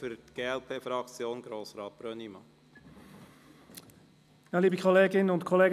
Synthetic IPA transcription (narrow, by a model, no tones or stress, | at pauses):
fyɾt̪ɡ̥eːɛlpʰeːfɾɑkt͡sjoːnɡ̥ɾoːsɾɑːt̪̚b̥ɾœnimɑ | naliːbikʰɔleːɡɪnənʊntkʰɔleːɡ